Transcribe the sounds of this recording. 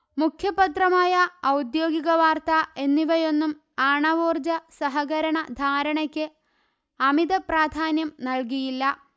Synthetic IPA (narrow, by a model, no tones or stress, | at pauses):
mukʰjɐpːɐt̪rɐmaːjɐːwd̪jo̞ːɡiɣɐʋaːrt̪ɐe̞nːiʋɐjo̞nːum | aːɳɐʋoːrd͡ʑɐsɐɦɐɣɐɾɐɳɐd̪ʱaːɾɐɳɐkʲːɨ | ɐmiðɐpraːd̪ʱaːnjɐmnɐɭk̬ijilːɐ